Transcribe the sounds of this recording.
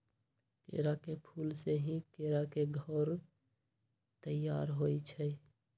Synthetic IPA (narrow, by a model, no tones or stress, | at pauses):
kḛɾakepʰulseɦĩkeɾakeɡʱɔɾ | t̪əjːaːɾɦoit͡ʃʰɛ